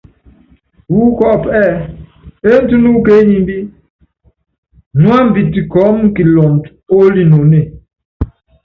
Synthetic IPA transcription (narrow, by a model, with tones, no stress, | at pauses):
wu˦kɔ˦˨ʔpʔɛ˦˨ | e˦n̩˦tu˦nu˦ke˨˦ɲi˨m˦bi˦ | nwa˦m̩˨bi˨ti˨kɔ˨˦mŋ˦ki˨lɔ˨ŋt | o˦li˦no˨ne˨